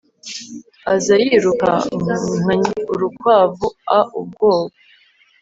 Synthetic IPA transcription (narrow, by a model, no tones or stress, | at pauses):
azajiːɾuka̰ŋ̥aɲiuɾukwaːvuaʔub̚ɡoːβo